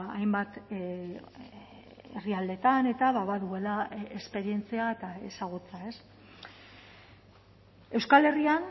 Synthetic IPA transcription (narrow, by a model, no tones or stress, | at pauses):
ajmbat̪ | eriald̪e̞t̪ane̞t̪aβaβaðue̞laespe̞ɾie̞nt͡siaet̪aesaɣ̞ut͡sae̞s | e̞wskale̞rian